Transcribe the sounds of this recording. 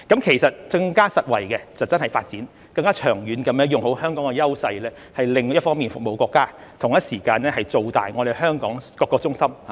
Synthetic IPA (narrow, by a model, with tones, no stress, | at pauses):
kɐ˨˥mkʰe˨˩jsɐ˨t̚t͡sɐ˧ŋkaː˥sɐ˨t̚wɐ˨˩jkɛ˧t͡sɐ˨wt͡sɐ˥nhɐ˨jfaː˧t̚t͡siː˨˥n | kɐ˧ŋkaː˥t͡ʃʰœː˨˩ŋjyː˨˥nkɐ˨˥mɛː˨˥ŋjʊ˨ŋho˨˥whœː˥ŋkɔː˨˥ŋkɛ˧jɐ˥wsɐ˧jlɛː˥ | hɐ˨jlɪ˨ŋjɐ˥t̚fɔː˥ŋmiː˨nfʊ˨k̚mo˨˧wkʷɔː˧kːaː˥t̪ʰʊ˨˩ŋjɐ˥t̚siː˨˩kaː˧nlɛː˥hɐ˨jt͡so˨wt̪a̰ː˨jŋɔː˨˧ɾe˨jɦœː˥ŋkɔː˨˥ŋkɔː˧kːɔː˧k̚t͡sʊ˥ŋsɐ˥mha˧